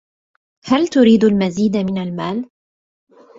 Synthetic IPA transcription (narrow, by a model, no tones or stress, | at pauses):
halt̪ʊɾiːd̪almaziːd̪mɪnalmaːl